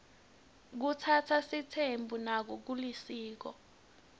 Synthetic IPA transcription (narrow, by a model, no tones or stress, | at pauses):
k̬utʰatʰasitʰembʱunak̬ɔk̬ulisiːk̬ɔ̰